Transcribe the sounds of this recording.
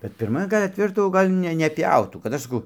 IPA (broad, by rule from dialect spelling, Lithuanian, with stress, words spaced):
kɐt pʲɪrˈmɐ ˈɡɐlʲ ɐtʲˈʋʲæːʒdɐʋoː ˈɡɐlʲ nʲɛ nʲɛˈpʲjɛʊtuː kɐt ˈɐʃ sɐˈkɐʊ